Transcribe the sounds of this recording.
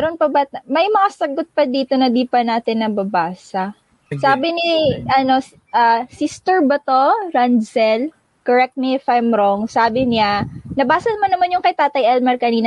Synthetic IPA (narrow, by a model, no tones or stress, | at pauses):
mɛɾonpɐbɐmɐjmɐŋasɐɡot̪̚pɐd̪iːt̪o̞nɐd̪iːpɐnaːt̪ɪnːɐbɐbaːsɐ | saːbɪniʔɐno̞s | ʔasist̪ɛɹbɐt̪oɾansɛl | koɹɛk̚t̪̚nɪfajmɾoŋsaːbɪɲanɐbaːsɐnɐmanːɐmanjʊŋkɐjt̪aːt̪ɐjʔɛlmɐɾkɐniːnɐ